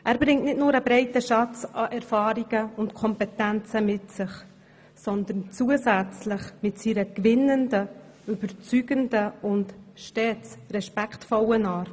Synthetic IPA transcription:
ʔæːɾbɾɪŋtnɪtnʊːɾəbɾɛɪtəʃɑt͡sɑʔɛɾfɑːɾiɡ̥əʊntkʰɔmpɛtænt͡səmɪtsɪχ | sɔnd̪ənt͡suəsæt͡slɪχmɪtsiɾəkʋɪnːəndə | ybəɾt͡syɡ̥əndəʊntʃtɛːt͡srɛʃpæktfɔlənɑːɾ

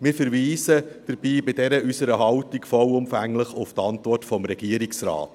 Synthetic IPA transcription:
mɪːɾfəɾviːsəd̥əɾb̥iːbɪdɛɾəʔysəɾəɦɑʊtikfɔwʊmfæŋləχʊftɑntʋɔrtfɔmɾɛɡ̥iəɾiksrɑ̰ːt

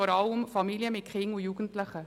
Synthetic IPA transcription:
ɔɾɑlʊmfɑmiːljəmɪkʰʁɪŋoːjuːɡən̩t̪ləxə

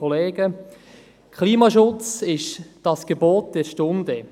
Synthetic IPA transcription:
ɔleːɡə | kʰχliːmɑʃʊt͡sɪʃd̥ɑsɡ̥eboːt̚d̥ɛɾʃtʊndə

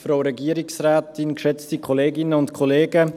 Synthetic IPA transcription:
fɾoʊɾɛɡiəɾɪksrɛːtɪnkʃɛt͡stikʰɔleːɡɪnəʊntkʰɔleːɡ̥ə

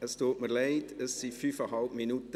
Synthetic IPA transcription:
əstuːtməɾlɛɪtəsːifyːfəɦɑlpminutə

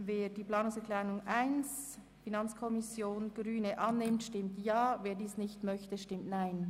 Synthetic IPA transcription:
veːdiːpl̥aːnʊŋsɛkʰlanʊŋʔaɪns | finɑnt͡skʰɔmɪsjoːnɡ̥ɾyːnəʔɑnːɪmtʃtɪmtjaːveːdiːsnɪçtmœçtəʃtɪmtnaɪn

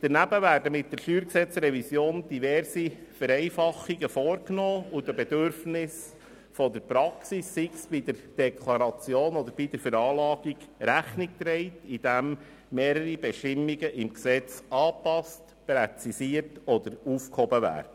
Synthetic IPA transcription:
d̪̥əɾnæbəvæːɾdəmɪt̚d̥əɾʃyːɾksɛt͡sɾɛvisjoːnd̥ivɛɾsifəɾɛɪfɑχiɡəfɔːɾknoːudəbɛdøɾfnɪs | fɔd̪əɾpɾɑksisːiksb̥id̪əɾd̥ɛkʰlɑɾɑt͡sjoːnɔd̪əɾb̥idəɾfəɾɑːlɑːɡiɡɾæχnik̚t̪ɾɛɪtid̥æmː | eːɾəɾibɛʃtɪmːiɡəʔɪmksɛt͡sɑːpɑst | pɾɛt͡sisiəɾtɔd̪əɾufkhɔbəʋæ̰ːɾ

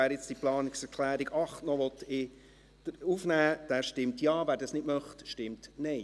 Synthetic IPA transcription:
æːɾjɪt͡sd̥iplɑːnɪksɛɾkʰlæːɾiɡɑχtnɔʋɔtɪ | d̥ufnæːd̥æːʃtɪmtjɑːvæːɾdɑsnɪdmœχtʃtɪmtnɛɪ

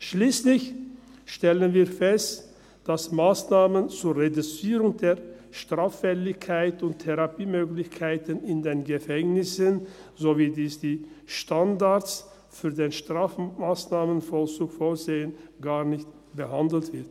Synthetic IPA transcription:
ʃliːslɪç | ʃtɛlənviːɐfɛst | d̥asmaːsnaːmənt͡suːɐʁedut͡siːʁʊŋdeːɐʃtʁ̥aːfːɛlɪçkʰaɪtʊntʰɛʁapiːmøːɡlɪçkʰaɪtənɪndeːnɡəfɛŋnɪsənzoviːdiːsd̥iː | ʃtandaɐt͡s | fyːɐdeːnʃtʁ̥aːfmaːsnaːmənfɔlsuːkfoːɐzeːənɡaːɐnɪçt | b̥əɦandl̩tv̥ɪɐt

